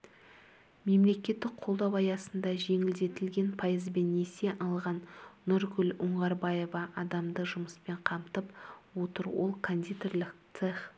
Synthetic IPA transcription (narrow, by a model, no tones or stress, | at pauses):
me̞mle̞kʲe̞t̪ːɪk̚qʰo̞lˠd̪ɑwɑjɑsənd̪ɑʒe̞ŋɪld̪e̞t̪ɪlɡʲe̞npʰajəzbe̞nːese̞ʔɑlˠʁɑnːʊɾɡʲʏlʲʊɴʁɑɾbɑje̞vɑʔɑd̪ɑmd̪əʒʊməspe̞ɴqʰɑmt̪əpwo̞t̪əɾwo̞̰lˠkʰond̪ʲit̪orlˠɪk̚t̪seχ